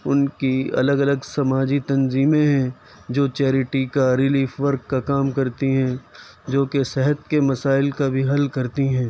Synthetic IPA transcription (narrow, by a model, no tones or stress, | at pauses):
ʊnkiɐ̰ləɡɐləɡsɐmaːd͡ʒit̪ɐnziːmẽɦɛ̃ | d͡ʒoːt͡ʃɛːɾɪʈikaɾɪliːfʋɐɾkːakaːmkɐɾt̪iɦɛ̃ | d͡ʒoːkesɛɦət̪̚kemɐsaːɪlkabʱiɦɐlkɐɾt̪iɦɛ̃ː